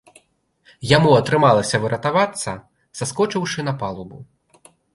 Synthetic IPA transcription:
jamuɐt̪ɾɨmalˠɐsʲɐvɨɾɐt̪avat̪sːɐ | saskɔt͡ʂɨwʂɨnɐpalˠubu

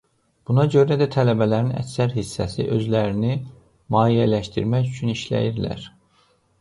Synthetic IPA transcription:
b̥unɑɟø̞ɾæd̪æt̪ʰælæbælæɾinæ̰csæɾhisːæsḭʔø̞zlæɾini | mɑːijælæʃt̪ḭɾmæcyt͡ʃʰyniʃlæ̰jiɾlæ̰ɾ̥

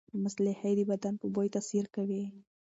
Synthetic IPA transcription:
mʊslahajd̪əbad̪anpəbojt̪asiɾkawi

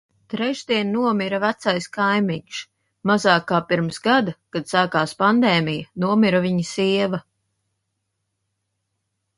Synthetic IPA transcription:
t̪ɾɛʒd̪iɛnnuɔmiɾavæt̪sajskajmiɲʃ | mazaːkːaːpiɾmsɡad̪akad̪̥saːkaːspand̪ɛːmʲijanuɔmiɾaviɲisiɛvɐ

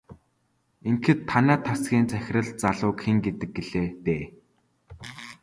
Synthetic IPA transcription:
eŋkɘ̆t̪ʰːanæːt̪ʰasɡʲiːnt͡sæxʲɪ̆rə̆ɮt͡saɮʊːkxeŋɡet̪ɘ̆k̚ɡeɮeːt̪eː

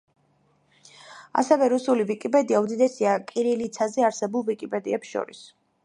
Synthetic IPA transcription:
a̰sɛvɛɾusulivikʼipʼɛd̪iaud̪id̪ɛsiakʼiɾilit̪sʰazɛaɾsɛbulˠvikʼipʼɛd̪iɛpsʃɔ̰ɾḭs

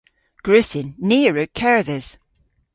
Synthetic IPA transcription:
ɡ̥ɹʉsɪnːiːɹəkʰɛɹðəz̥

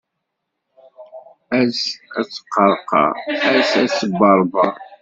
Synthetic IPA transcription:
æzæ̰t͡sːə̥qːɑɾˤqɑ̰æzæsəbːɑɾˤbɑ

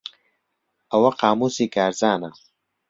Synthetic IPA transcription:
ɐwɐqaːmuːsiːkʰaːɾzaːnɐ

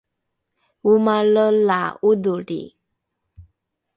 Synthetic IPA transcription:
wumaləla̰ud̪oɖḭ

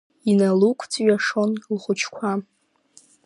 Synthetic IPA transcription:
inalukʷʰt͡sʼɥaʂo̞nlχʷʊt͡ʃʰkʷʰa

